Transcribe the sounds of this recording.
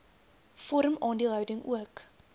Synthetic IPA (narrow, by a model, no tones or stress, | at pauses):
fɔɾəmɑːndiəlˠɦəwdəŋuək